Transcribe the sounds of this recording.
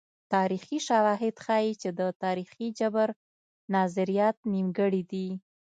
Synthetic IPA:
t̪ɑɾixiʃawɑɦɪd̪xɑjit͡ʃed̪ət̪ɑɾixid͡ʒabəɾ | nɑzɪɾijɑt̪̚nimɡəɽid̪i

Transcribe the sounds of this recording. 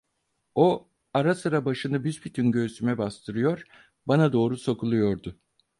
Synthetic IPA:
o | aɾasɯɾabaʃɯnɯbyzpʰit̪ʰynɟøɾt̪ʰymɛbast̪ʰɯɾɯjo̞ɾ | banad̪o̞ːɾuso̞kulˠujo̞ɾd̪ʊ

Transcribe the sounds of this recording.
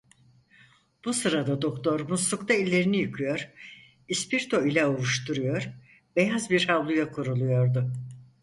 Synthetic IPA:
b̥usɯɾad̪ad̪o̞kt̪ʰo̞ɾmusukt̪ʰailʲːe̞ɾinijɯkʰɯjoɾ | ispiɾt̪ʰo̞ilʲɛuɾuʃt̪uɾujoɾ | bejazbiɾhavlˠujakʰuɾulˠujo̞ɾd̪ʊ

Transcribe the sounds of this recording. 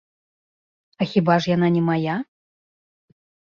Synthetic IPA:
ɐxʲibaʐjananʲɛmaja

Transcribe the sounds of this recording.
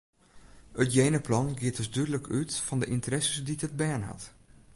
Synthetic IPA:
ətjejnəplɑnɡiətəsdydələkʰytfɔndəʔɪntərɛsəsditət̚bɛnɦɑ̰t

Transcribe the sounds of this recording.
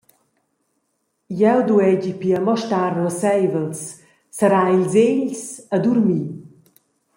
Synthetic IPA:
jɛwd̪uɛd͡ʑipiəmɔʃtaɾlɔsɛjvəlsː | əɾailzeʎsəd̪uɾmi

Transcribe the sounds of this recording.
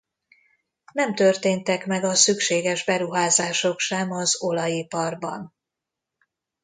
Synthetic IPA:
nɛmt̪ørt̪eːnt̪ɛkmɛɡɒsykʃeːɡɛʒbɛɾuɦaːzaːʃo̞kʃɛmɒzo̞lɒjipɒrbɒ̰n

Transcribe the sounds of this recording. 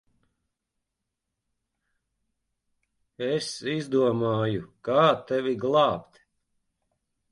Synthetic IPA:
esizd̪uɔmaːjukaːt̪ɛviɡlˠɑːpt̪

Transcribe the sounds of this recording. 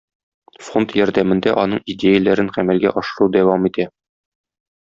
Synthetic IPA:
font̪jɒɾd̪æmɘ̆nd̪æʔɒn̪ɤɴidʲejəlæɾɘnqæmælɡæ̰ʔɒʃ̆lˠud̪æwɑmit̪æ

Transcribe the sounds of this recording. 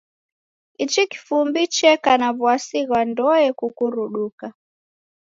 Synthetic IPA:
it͡ʃiki̥fumbit͡ʃɛkanaβwasiɣwandɔɛkukuɾuɗuka

